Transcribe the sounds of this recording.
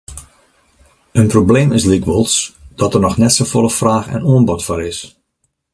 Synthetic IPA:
ənprobleːmɪslikwɔlˠsd̥ɔtərnɔxnɛtsofoləfraːxɛ̰noənbɔtfʊːɾɪs

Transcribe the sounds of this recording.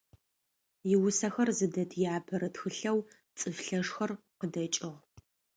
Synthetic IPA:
jɪwʊsɐxɐrzɨdɐtʰjaːbʰɐɾɐtxɨɬɐw | t͡sʼɨfɬɐʂxɐr | qədɐt͡ʃʼɪʁ

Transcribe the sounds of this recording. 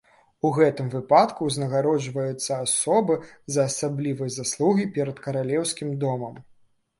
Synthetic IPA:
uɣɛt̪ɨmvɨpat̪kuznɐɣaɾɔd͡ʒvɐjut̪sːɐasɔbɨzɐːsablʲivɨjɐzaslˠuɣʲipʲɛɾɐt̪kɐɾalʲɛwsʲkʲimd̪ɔmɐm

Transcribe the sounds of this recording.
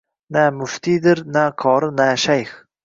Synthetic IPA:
næːmʊft̪iːd̪ɪɾnæːkʰɑːɾɨnæːʃæjx

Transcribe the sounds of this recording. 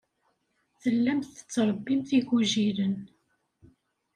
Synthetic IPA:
θəlːæmθə̥t͡sːɾˤəbːimθiʝuʒiɾən

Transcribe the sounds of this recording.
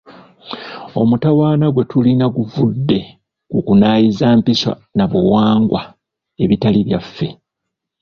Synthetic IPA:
o̞̰mutawaːnaɡwe̞tulinaɡuvudːe̞ | kukunaːjizaːmpisa̰naβuwaːŋɡwa | e̞βitaliβjafːe̞

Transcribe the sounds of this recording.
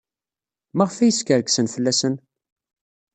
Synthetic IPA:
mæʁfæjəskəɾəksənfəlːæsən

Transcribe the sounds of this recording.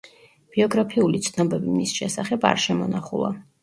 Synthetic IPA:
b̥iɔɡɾapʰiulit̪sʰnɔbɛbimisʃɛsaχɛba̰ɾʃɛmɔnaχulˠa̰

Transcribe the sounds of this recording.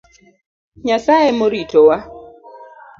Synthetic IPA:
ɲasaemoɾitowa

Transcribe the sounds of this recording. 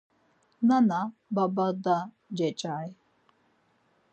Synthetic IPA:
nanababad̪a | d͡ʒɛt͡ʃʼaj

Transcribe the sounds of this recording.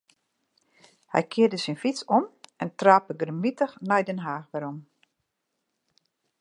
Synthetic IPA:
hɛ̰jkʰɪədəsinfit͡sɔmɛntraːpəɡərmitəxnɛjdɛnɦaːxʋɛɾɔm

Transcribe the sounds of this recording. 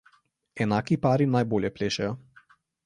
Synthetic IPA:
ɛnakipaːɾinajboːljɛpleːʃɛjɔ

